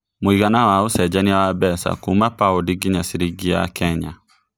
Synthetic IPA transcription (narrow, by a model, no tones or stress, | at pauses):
moiɣanawaosɛd͡ʒaniawabɛsa̰kumapaodiɡiɲasiɾiɡia̰kɛɲa